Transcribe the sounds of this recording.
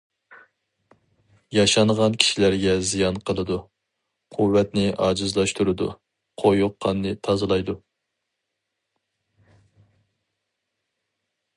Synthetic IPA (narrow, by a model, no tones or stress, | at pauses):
jɑʃɑnʁɑnkʲʰi̥ʃilæɾɡʲɛzijɑnqʰəlˠɨd̪u | qʰuvːɛt̪nɪʔɑːd͡ʒɨzlˠɑʃt̪ʰuɾɨd̪ṵ | qʰojuqʰːɑnːɨt̪ʰɑzɨlˠɑjd̪u